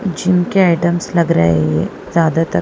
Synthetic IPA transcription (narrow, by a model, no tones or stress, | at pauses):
d͡ʑimkeɛʈəmsləɡɾa̰jḛje | d͡zad̪at̪ə